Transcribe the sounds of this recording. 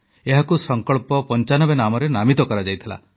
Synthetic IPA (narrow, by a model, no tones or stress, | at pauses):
eɦakusɔŋkɔɭpɔpɔnt͡ʃanɔbenamɔɾenamit̪ɔkɔɾad͡ʒajt̪ʰila̰